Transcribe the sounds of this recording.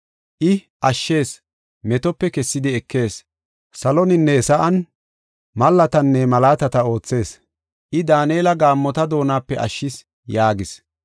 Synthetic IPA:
ʔɪ | ʔɐʃːe̞ːs | mɛt̪ɔpːɛkɛsːɪd̪ɪɛkːe̞ːs | sɐlɔnɪnːɛsɐʔɐn | mɐlːɐt̪ɐnːɛmɐlaːt̪ɐt̪ɐo̞ːt͡sːe̞ːs | ʔɪd̪aːneːlɐɡaːmːɔt̪ɐd̪o̞ːnaːpːɛʔɐ̰ʃːɪs | jaːɡɪs

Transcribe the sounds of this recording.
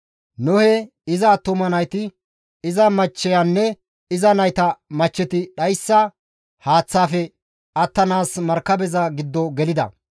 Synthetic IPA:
nʊhɛ | ɪzɐt̪ʊmɐnɐjt̪ɪ | ɪzɐmɐt͡ʃːɛjanːɛ | ɪzɐnɐjt̪ɐmɐt͡ʃːɛt̪ɪɗɐjsːɐ | haːt͡sːaːfɛ | ɐt̪ːɐnaːsmɐɾkːɐbɛzɐɡɪd̪ːɔɡɛlɪd̪ɐ̰

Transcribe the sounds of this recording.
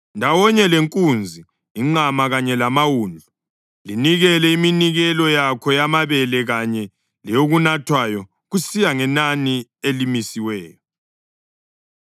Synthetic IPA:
ndʱawɔɲɛleŋkʼund͡zʱiː | ŋ͡ǃamaɣaɲɛlamawuːnd͡ɮʱu | liniɣɛlɛiminiɣɛlɔjakʰɔjamaβɛlɛɣaɲɛ | lɛjoɣunatʰwajɔ | ɣusijaŋɛnanielimisiwɛːjɔ

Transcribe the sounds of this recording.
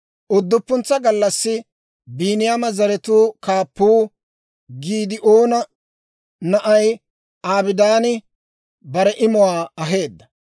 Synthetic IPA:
ʔʊd̪ːʊpːʊnt͡sːɐɡɐlːɐsːɪ | biːnɪjamɐzɐɾɛt̪uːkaːpːuː | ɡiːd̪ɪʔoːnɐ | nɐʔɐj | aːbɪd̪aːnɪ | bɐɾɛʔɪmʊwaːɐɦe̞ːd̪ːɐ̥

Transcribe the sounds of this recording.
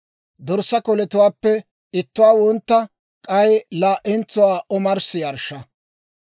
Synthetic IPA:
d̪ɔɾsɐkɔlɛt̪ʊwaːpːɛ | ɪt̪ːʊwaːwɔnt̪ːɐ | kʼɐjlaːʔɛnt͡sːʊwaːʔɔmɐɾsɪjɐɾʃːɐ

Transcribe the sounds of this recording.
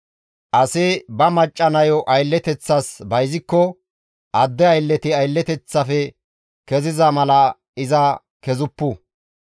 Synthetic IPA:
ʔɐsɪbɐmɐt͡ʃʼːɐnɐjɔʔɐjlːɛt̪ɛt͡sːɐsbɐjzɪkːɔ | ʔɐd̪ːɛɐjlːɛt̪ɪɐjlːɛt̪ɛt͡sːɐfɛ | kɛzɪzɐmɐlɐ | ɪzɐ | kɛzʊpːu

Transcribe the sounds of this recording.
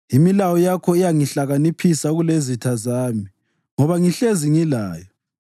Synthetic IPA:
imilawɔjakʰɔijaŋiɬaɣanipʰisaɣulezitʰazaːmi | ŋɔβaŋiɬeziŋilaːjɔ

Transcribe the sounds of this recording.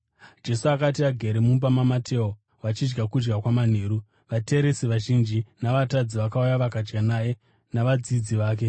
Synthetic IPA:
d͡ʒe̞suakat̬iaɡʱeɾemumbamamatʰe̞ːo | ʋat͡ʃid͡ʒɡakud͡ʒɡakwaman̤eːɾu | ʋate̞ɾe̞siʋaʒind͡ʒinaʋatad͡ziʋakaujaʋakad͡ʒɡanaje | naʋad͡zid͡ziʋaːk̬e̞

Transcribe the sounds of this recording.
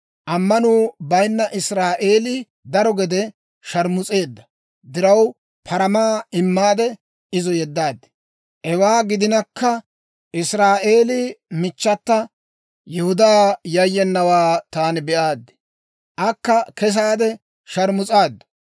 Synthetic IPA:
ʔɐmːɐnuːbɐjnːɐʔɪsɾaːʔe̞ːlɪ | d̪ɐɾɔɡɛd̪ɛ | ʃɐɾmʊt͡sʼe̞ːd̪ːɐ | d̪ɪɾɐw | pʰɐɾɐmaːɪmːaːd̪ɛ | ɪzɔjɛd̪ːaːd̪ːɪ̥ | ʔɛwaːɡɪd̪ɪnɐkːɐ | ɪsɾaːʔe̞ːlɪmɪt͡ʃːɐt̪ːɐ | jɛhʊd̪aːjɐjːɛnːɐwaːt̪aːnɪbɛʔaːd̪ːɪ̥ | ʔɐkːɐkɛs̬aːd̪ɛ | ʃɐɾmʊt͡sʼaːd̪ːʊ̥

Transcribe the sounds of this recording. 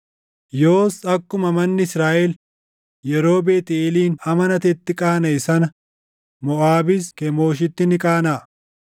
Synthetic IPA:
joːsɐkːʊmɐmɐnːɪɪsɾaːʔɛl | jɛɾo̞ːbe̞ːt̪ɪeːliːnɐmɐnɐt̪ɛt̪ːɪkʼaːnɐɪsɐnɐ | mɔʔaːbɪskɛmoːʃ̬ɪt̪ːɪnɪkʼaːnaː

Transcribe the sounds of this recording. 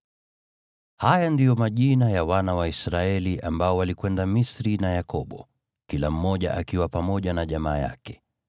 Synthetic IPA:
hajandijɔmaʄinajawanawaisɾaɛliʔambaɔwalikwɛndamisɾinajakɔɓɔ | kilam̩mɔʄa̰ʔakiwapamɔʄanaʄamaːja̰kɛ̥

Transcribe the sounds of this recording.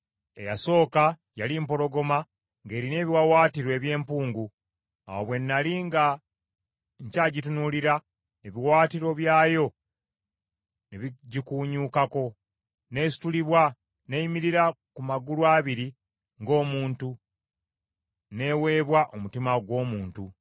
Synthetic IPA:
e̞̰jaso̞ːka | jalimpo̞ɾo̞ɡo̞ma | ŋɡe̞ːɾine̞ːβiwawaːtiɾwe̞ːβje̞ːmpuːŋɡu | a̰woβwe̞nːaliŋɡa | ɲcaːɟitunuliɾa | eβiwaːtiɾo̞βjaːjo̞ | neβiɟikuːɲuːkako̞ | ne̞ːsi̥tuliβwa | nejimiɾiɾa | kumaɡulwaːβiɾi | ŋɡo̞ːmuːntu | ne̞we̞ːβwaʔomutimaɡwo̞ːmuːntu

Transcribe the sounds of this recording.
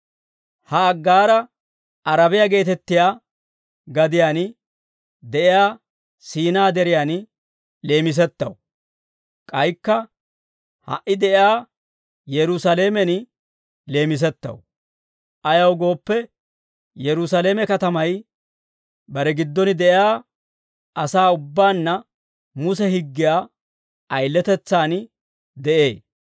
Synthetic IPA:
hɐːɡːaːɾɐ | ɐɾɐbɪjaɡe̞ːt̪ɛt̪ːɪjaː | ɡɐd̪ɪjaːn | d̪ɛʔɪjaː | siːnaːd̪ɛɾɪjaːn | le̞ːmɪs̬ɛt̪ːɐ̰w | kʼɐjkːɐ | hɐ̰ʔːɪd̪ɛʔɪjaː | jɛɾʊsɐle̞ːmɛn | le̞ːmɪs̬ɛt̪ːɐ̰w | ʔɐjɐwɡo̞ːpːɛ | jɛɾʊsɐle̞ːmɛkɐt̪ɐmɐj | bɐɾɛɡɪd̪ːɔnɪd̪ɛʔaː | ʔɐsaːʊbːaːnːɐ | mʊsɛɦɪɡːɪjaː | ʔɐjlːɛt̪ɛt͡sːaːn | d̪ɛʔe̞̰ː

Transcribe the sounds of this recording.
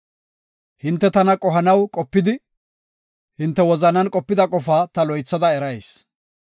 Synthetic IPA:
hɪnt̪ːɛt̪ɐnɐkʼɔɦɐnɐwkʼɔpːɪd̪ɪ | hɪnt̪ːɛwɔzɐnɐnkʼɔpːɪd̪ɐkʼɔfaːt̪ɐlɔjt͡sːɐd̪ɐɛɾɐjs

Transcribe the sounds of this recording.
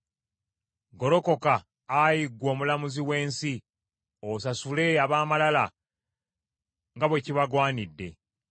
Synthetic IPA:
ɡo̞ɾo̞ko̞kaː | jiɡːwo̞ːmulamuziwe̞ːnsi | osasule̞aβaːmalala | ŋɡaβwe̞ciβaɡwaːnidːe̞̰

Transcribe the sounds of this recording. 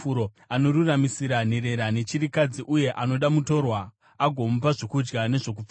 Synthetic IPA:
uɾo | ano̞ɾuramisiɾan̤e̞ɾe̞ɾane̞t͡ʃiɾikad͡ziʔuje̞ʔano̞ɗamuto̞rwa | aɡʱo̞mupaʐokud͡ʒɡane̞ʐo̞k̬ufa

